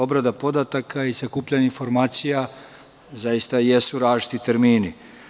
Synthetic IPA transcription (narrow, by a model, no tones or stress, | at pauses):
o̞bɾad̪apo̞d̪at̪akʰaizakuːpʎaɲeinfo̞ɾmaːt̪sija | zajist̪ajesuɾaːʒit̪it̪eɾmiːni